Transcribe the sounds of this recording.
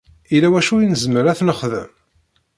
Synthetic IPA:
ilæwæʃujinəzməɾæθnəχðə̰m

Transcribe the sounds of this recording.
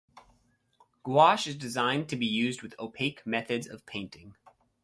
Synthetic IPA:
ɡ̥wɑʃɨzdɨzãɪ̃ntʰɨbijʉzd̚wɨðoʊpʰeɪkmɛθɨdzʌ̰v̥pʰẽɪ̃ntɪ̃ŋ

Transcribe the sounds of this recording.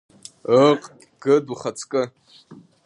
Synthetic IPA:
əqʼʲ | ɡ̥ɨduχat͡sʰkʼɨ

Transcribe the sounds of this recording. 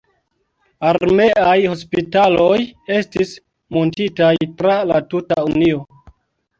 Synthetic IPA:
aɾme̞ajho̞spitalo̞je̞stis | montitajtɾalatutaunio̞

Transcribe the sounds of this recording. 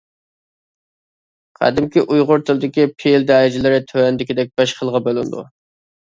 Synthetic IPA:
qʰæ̰d̪ɪmkʲiʔujʁʊɾt̪ʰɨlˠd̪ɪkʲipʰeld̪æːɪd͡ʒɪlɪɾɪt̪ʰøɛnd̪ɪkʲid̪ɛk̚ʲb̥ɛʃqʰəlˠʁɑbølˠɪnd̪ṵ

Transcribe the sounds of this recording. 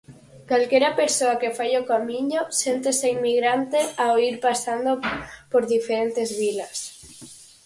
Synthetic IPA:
kalkeɾapeɾsoakefajokamĩɲosent̪eseinmːiɣɾant̪eaoiɾpasand̪opoɾðifeɾent̪ezβilas

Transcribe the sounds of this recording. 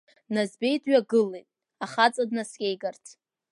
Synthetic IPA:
nazbe̞jtʰʼɥaɡɨlejtʼ | aχat͡sʼadnasɡʲejɡartʰ

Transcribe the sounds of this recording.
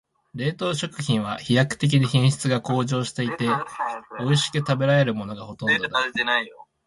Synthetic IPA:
ɾe̞ːt̪o̞ːɕo̞kɯ̟çĩɰ̃β̞açijakɯ̟̥t̪e̞k̬ʲiɲiçẽɰ̃ɕi̥t͡sɨɡako̞ːʑo̞ːɕi̥t̪e̞it̪e̞oiɕi̥kɯ̟t̪abe̞ɾae̞ɾɯ̟mo̞no̞ɡaho̞t̪õ̞d̪od̪aat̪enaijo

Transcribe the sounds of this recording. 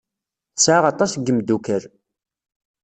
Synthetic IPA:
θsʕaʁɑt̪ˤɑsɡəmd̪ukəɾ

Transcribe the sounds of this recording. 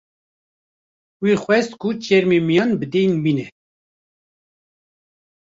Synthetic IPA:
wiːxʷwɛst̪kʰut͡ʃɛɾmemijɑːnbəd̪ejnbiːnɛ

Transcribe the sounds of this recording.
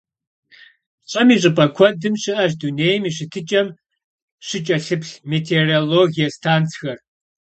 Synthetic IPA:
ɕʼɐmiːɕʼɨpʼɐkʷʰɔdɨmɕɨʔɐʒ̬duneːjmiːɕɨtʰɨt͡ʃʼɐm | ʂɨt͡ʃʼɐɬɨpɬmetʰeroːloːɣijɐstʰaːnt͡sʰxɐr

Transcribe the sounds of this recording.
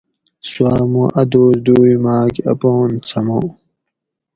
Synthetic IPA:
swaːmũʔɐd̪oːzd̪uːimaːkiɐ̰poːnt͡sʰɐmõ̰

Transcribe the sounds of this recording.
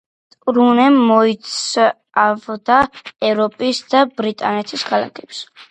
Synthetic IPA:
t̪ʼɾunɛmːɔit̪s | avd̪aɛvɾɔpʼisd̪abɾit̪ʼanɛt̪ʰiskʰala̰kʰɛ̥ps

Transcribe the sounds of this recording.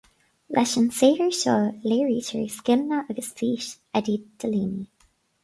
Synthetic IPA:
lʔɛʃənseːɡəɹʃɔːleːɹiːtʰə̰ɹiskɪmnəʔəɡəsfiːʃ | ɛd̪id̪̥əliːni

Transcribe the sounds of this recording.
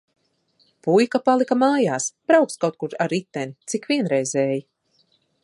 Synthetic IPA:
pujkapalˠikamaːjaːsb̥ɾawkskawt̪kuɾaɾit̪ːɛnit̪sikvʲiɛnɾɛjzɛːji

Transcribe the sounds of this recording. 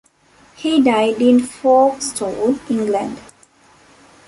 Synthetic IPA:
hidaɪdĩnfɔstʰõnĩŋɡlãnd

